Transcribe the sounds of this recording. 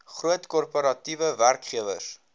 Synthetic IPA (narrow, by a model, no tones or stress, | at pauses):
χruətkɔrpoɾɐtivəværkχiəvə̰s